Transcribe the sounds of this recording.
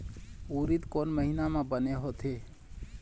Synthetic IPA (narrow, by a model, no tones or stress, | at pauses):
uːɾit̪koːnməɦinamãbəneɦot̪ɦe